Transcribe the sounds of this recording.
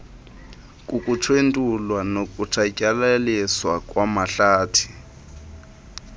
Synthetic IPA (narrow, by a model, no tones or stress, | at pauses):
kʼukʼutʰwentʼulwanokʼutʰakʼalaliswakʼwamaɬaːtʰi̥